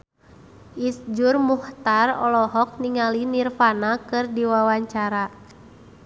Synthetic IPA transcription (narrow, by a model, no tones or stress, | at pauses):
ʔisd͡ʒurmuht̪arɔ̰lɔɦɔk̚niŋalinirfanakɨrdiwawaɲt͡ʃaɾa